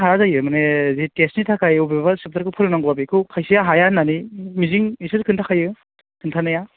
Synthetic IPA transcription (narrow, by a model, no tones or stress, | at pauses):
ɦajazajɯmanezitesnitʰakʰajubebasɯp̚taɾkɯpʰɯɾɯnaŋɡɯabikʰɯwkʰajsijaɦajananimiziŋisazɯkʰɯntʰakʰajɯ | kʰɯntʰanaja